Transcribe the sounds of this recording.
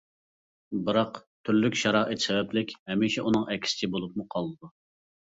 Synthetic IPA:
bɨɾɑqt̪ʰyɾlykʲʃɑɾɑʔet̪sɛvɛplɪkʲhɛmiʃɛʔunɨŋʔɛkʲʰɪ̥sɪ̥t͡ʃʰibolˠup̚muqʰɑlˠɨd̪u

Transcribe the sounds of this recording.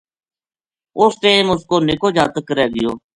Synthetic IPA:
ʊst̪eːmʊskoːnɪkoːd͡ʒaːt̪əkɾɛːɡɪjoː

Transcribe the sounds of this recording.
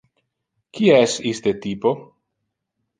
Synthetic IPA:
kiasist̪et̪ipo

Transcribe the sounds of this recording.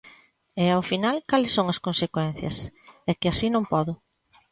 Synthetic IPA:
ɛawfinalkalɪsːoŋɐskõnsekwɛn̟θjɐ̰sɛkɪasinõmpɔðʊ

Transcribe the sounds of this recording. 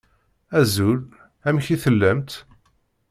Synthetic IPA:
æzul | æmçiθəlːæmt̪

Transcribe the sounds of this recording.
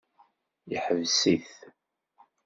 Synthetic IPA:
jəħəvsiθ

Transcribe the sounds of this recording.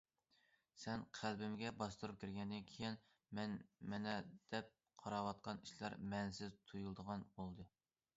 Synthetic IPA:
sɛnqʰælbɪmɡʲɛbɑst̪uɾup̚kʲʰiɾɡʲɛnd̪ɪnkʲʰejin | mɛnmɛnɛd̪̥ɛp̚ | qʰɑɾɑwɑt̪̚qɑniʃlˠɑ̰ɾmɛnsɪzt̪ʰujulˠd̪əʁɑnbolˠd̪ɨ

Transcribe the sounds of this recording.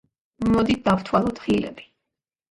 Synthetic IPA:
mɔd̪it̪̚d̪apt̪ʰwalˠɔd̪χilɛ̰bi̥

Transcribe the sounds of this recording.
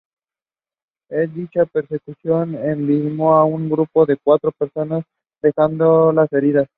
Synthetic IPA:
e̞sd̪it͡ʃape̞ɾse̞kusjo̞nenbizmoauŋɡɾupo̞ðe̞kwat̪ɾo̞peɾso̞nas | d̪e̞xand̪o̞lase̞ɾiðas

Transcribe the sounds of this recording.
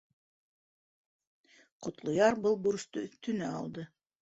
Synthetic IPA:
qŏt̪lˠŏjɑɾbɤlˠbuɾ̆st̪ot̪ɵ̆næɑ̰lˠd̪ɤ

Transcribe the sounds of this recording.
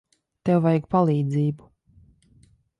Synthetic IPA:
t̪ɛwvajɡpalˠiːd̪ziːbu̥

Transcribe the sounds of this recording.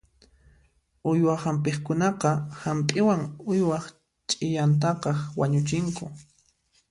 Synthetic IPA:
ʊjwahampeχkʊnɑqɑhampʼɪwaŋʊjwɑχ | t͡ʃʼɪjant̪̬ɑqɑχwaɲʊt͡ʃɪŋkʊ

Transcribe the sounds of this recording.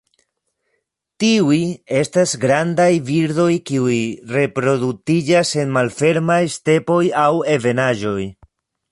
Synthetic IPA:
tiuje̞stasɡɾandajviɾdo̞jkiujre̞pɾo̞dutid͡ʒase̞nmalfe̞ɾmajste̞po̞jawe̞ve̞naʒo̞j

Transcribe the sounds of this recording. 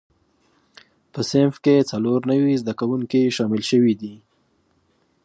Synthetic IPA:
pəsɪnfket͡saloɾnəwizd̪akawuŋkiʃɑmɪlʃəwid̪i

